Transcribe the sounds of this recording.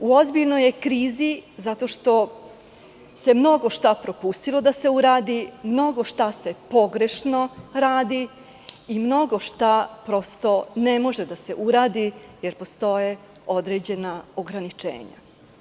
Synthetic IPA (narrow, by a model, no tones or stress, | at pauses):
uozbiʎnoje̞kɾiːzizat̪o̞ʃt̪o̞ | se̞mno̞ɡo̞ʃt̪apɾo̞pust̪ilo̞d̪ase̞uɾaːd̪imno̞ɡo̞ʃt̪ase̞po̞ɡɾe̞ʃno̞ɾaːd̪iː | mno̞ɡo̞ʃt̪apɾo̞st̪o̞ne̞mo̞ʒed̪ase̞̰ʔuɾaːd̪ije̞ɾpo̞st̪o̞je̞ | o̞d̪ɾe̞d͡ʑe̞nao̞ɡɾanit͡ʃḛːɲa̰